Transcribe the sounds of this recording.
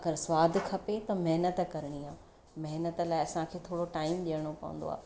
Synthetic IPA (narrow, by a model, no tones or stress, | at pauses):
ɐɡəɾsʋaːd̪ʱkʰɐpet̪ɐmɐɦnət̪kɐɾɪɽ̃iãː | mɐɦnət̪laːɪɐsãkʰeːt̪ʰoːɽoʈaːɪmɗiəɽ̃opɐ̰ʋṵ̃nd̪o̰a̰ː